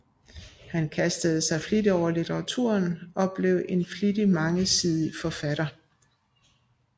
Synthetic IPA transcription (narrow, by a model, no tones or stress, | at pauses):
hænkʰæsd̥əð̞̩ˠsɑ̈ɪflid̥əɒʊ̰ɐlit͡sʰəʁɑ̈t͡sʰṵɐnɒ̽b̥le̝ʊ̰ʔe̝nflidimɑ̈ŋəsiðˠəfɒ̽fæɾ̥ɐ